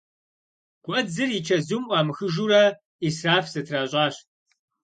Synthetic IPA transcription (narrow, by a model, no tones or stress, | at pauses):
ɡʷʼɐd͡zɨrit͡ʃʰɐzumʔʷʼɑːmɨxɨʒuːɾɐ | israːfzɐtʰraːɕʼɑːɕ